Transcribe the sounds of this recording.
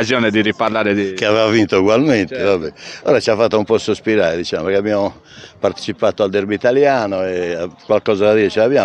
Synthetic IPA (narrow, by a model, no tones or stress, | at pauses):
azjɔːned̪iriparlaːɾekeavɛvavint̪ouɣwalmɛnt̪evabɛɔ̰ːɾat͡ʃiafːat̪ːaumpɔsospiɾaːed̪it͡ʃaːmopeɾkeabiamo | paɾt̪e̥t͡ʃipaːt̪oald̪eɾbit̪aljaːnoɛakwalkɔːzad̪ad̪iːɾɛt͡ʃɛlabja